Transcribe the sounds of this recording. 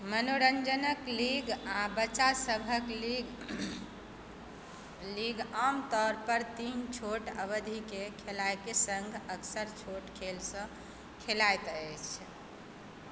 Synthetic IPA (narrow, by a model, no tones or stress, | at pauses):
mənoɾənd͡ʒənəkliɡabəːt͡ʃasəbʱəklɡ | liɡamt̪ɔɾpəɾt̪int͡ʃʰoʈəβəd̪ʱikekʰelajkesə̃ŋɡʱəksəɾt͡ʃʰoʈkʰelsə̃ | kʰelajt̪ət͡ʃʰ